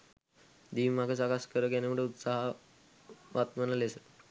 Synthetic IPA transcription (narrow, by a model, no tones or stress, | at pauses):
d̪iːmakəsakaskəɾəkeneməɳeut̪saɦ | ʋat̪mənalesət̪